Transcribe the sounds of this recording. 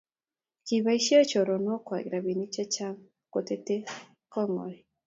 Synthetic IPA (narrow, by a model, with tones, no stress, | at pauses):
ki˨βa˦i˦ʃi˦ɔ˦t͡ʃɔ˨ɾɔ˨nɔ˦kwa̰˨ɡɾa˨βi˨ni˦t͡ʃa˦t͡ʃa˦ŋ | ko˨te˦te˦ | kɔ˦ŋɔ̰˨ɾi˨